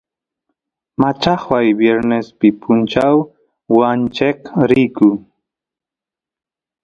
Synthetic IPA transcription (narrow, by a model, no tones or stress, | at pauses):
mat͡ʃɑχwajbjeɾnespɪpʰʊnt͡ʃaw | want͡ʃekɾijkʊ